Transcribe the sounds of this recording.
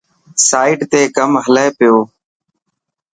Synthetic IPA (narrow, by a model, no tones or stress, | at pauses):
saːiːɖt̪eːkəmɦəleːpɪjoː